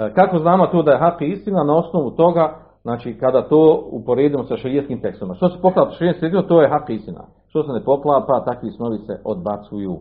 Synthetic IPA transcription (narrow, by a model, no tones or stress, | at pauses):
kakoznaːmot̪oːd̪aje̞ɦakist̪inanao̞sno̞ʋut̪o̞ɡa | znaːt͡ʃiːkad̪aːt̪oːupo̞ɾeːd̪imosaʃɾijet̪kiːmt̪e̞kst̪oʋimaʃt̪osepo̞plˠaːt̪ʃeɾijet̪st̪et̪imot̪o̞ːjeɦakist̪ina̰ | ʃt̪o̞senepo̞plˠaːpat̪akʋisnoʋiseʔo̞d̪̚bat̪sujuː